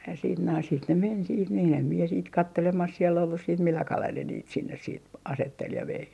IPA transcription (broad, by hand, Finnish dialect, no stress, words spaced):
jɑ siːt noin sit ne men siːt niːn em mie siːt kɑtːelemɑs siel olːus siːt milːɑ kɑlel ne niːt sinːes siːt ɑsetːel jɑ ʋei